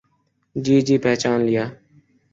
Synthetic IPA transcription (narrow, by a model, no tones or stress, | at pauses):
d͡ʒiːd͡ʒiːpɛːt͡ʃaːnlɪjaː